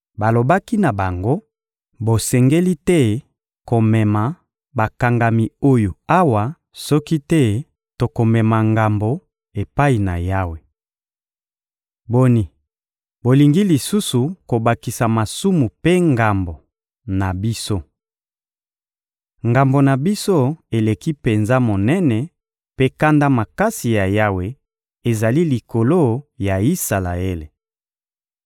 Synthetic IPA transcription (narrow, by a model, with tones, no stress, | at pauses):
ba˨lo˨ba˦ki˦na˨ba˨ŋɡo˦ | bo˨sɛ˨ŋɡe˦li˦tɛ˦ | ko˨mɛ˨ma˨ | ba˨ka˨ŋɡa˨mi˨o˦jo˨a˦wa˨ | sɔ˦ki˦tɛ˦ | to˨ko˨mɛ˨ma˨ŋɡa˨mbo˨ | e˨pa˦i˨na̰˨ja˦we˨ | bo˦ni˨ | bo˨li˨ŋɡi˦li˨su˦su˨ko˨ba˨ki˨sa˨ma˨su˦mu˨pe˦ŋɡa˨mbo˨ | na˨bi˦so˦ | ŋɡa˨mbo˨na˨bi˦so˦e˨le˨ki˦pe˨nza˦mo˨nɛ˦nɛ˨ | pe˦ka˦nda˦ma˨ka˦si˨ja˨ja˦we˦ | e˨za˨li˦li˨ko˨lo˦ja˨i˦sa˨la̰˨e˦le˨